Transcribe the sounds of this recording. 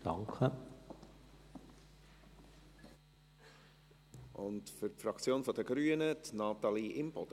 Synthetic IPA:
d̪̥ɑŋkʰə | ʔʊntfʏɾpfɾɑkt͡sjoːnfɔd̥̪əɡ̥ɾyːənət̪nɑːt̪ɑliʔɪmbɔd̥̪

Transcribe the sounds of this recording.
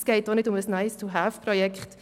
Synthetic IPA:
sɡ̥eɪt̚d̥ɔnɪtʊməsnaɪstʰuɦafpɾɔjɛkχt

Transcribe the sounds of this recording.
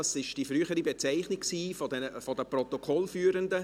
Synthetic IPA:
ɑsɪʃd̥ifryːχəɾibet͡saɪχnɪkksiːfɔdɛfɔdəprɔt̪okʰɔlfyːɾəndə

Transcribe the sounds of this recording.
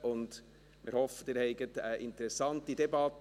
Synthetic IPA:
ʔʊnd | mʔɪ̰ɾhɔfətɪːɾhɛɪɡətəʔɪntəɾɛsɑntidɛbɑt

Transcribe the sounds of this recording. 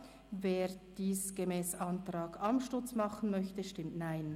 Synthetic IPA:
veːd̥iːsɡ̥emɛːsɑntrɑːɡɑmʃtʊt͡smɑχən̩mœçtəʃtɪmtnaɪn

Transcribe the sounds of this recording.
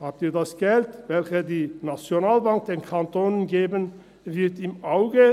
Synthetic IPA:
haːp̚tiːɐdasɡ̥ɛltvɛlçədiːnat͡sjonaːlbaŋk̚d̥eːnkʰantʰoːnənɡeːbən | vɪɐtɪmʔaʊɡə

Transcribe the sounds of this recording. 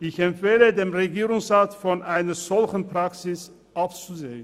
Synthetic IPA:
ʔɪçɛmfeːlədeːmʁeɡiːʁʊŋsʁaːtfɔnʔaɪnɐz̥ɔlçn̩pʁ̥aksɪs | ʔap̚t͡suzeːən

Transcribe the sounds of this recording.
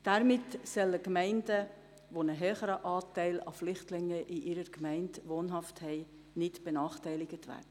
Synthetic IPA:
d̥æɾmɪtsɛləkmɛɪndə | ʋonəɦœːχəɾəʔɑːtɛɪlɑ̰flʏχtlɪŋːəʔɪʔɪɾəɾkmɛɪntʋɔːnɦɑfthɛɪ | nɪtb̥ɛnɑːχtɛɪlɪɡətʋæ̰ːɾdə

